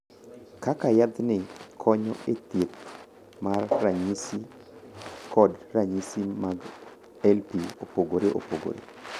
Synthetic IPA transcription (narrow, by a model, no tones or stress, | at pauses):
kakajad̪nɪkʰɔɲɔ̰ʔet̪jet̪̚ | marːaɲisi | kɔdraɲisimaɡ | ɛlpiopoɡoɾeʔo̰poɡo̰ɾḛ